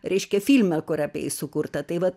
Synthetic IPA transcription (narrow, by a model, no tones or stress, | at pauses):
ɾʲɛɪʃʲkʲɛfʲilʲmʲɛkʊɾɐpʲḛːɪsʊkuːrt̪ɐt̪ɐɪʋɐt